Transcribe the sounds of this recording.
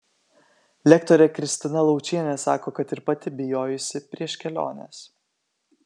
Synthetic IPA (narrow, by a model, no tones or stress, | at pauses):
lʲɛkt̪ɔɾʲɛkɾʲɪsʲt̪ʲɪnɐlˠɒʊt͡ʃʲiɛnʲɛsɑːkoːkɐt̪ɪɾpɐt̪ʲɪbʲɪjoːjʊsʲɪpʲɾʲiɛʃʲkʲɛlʲo̰ːnʲes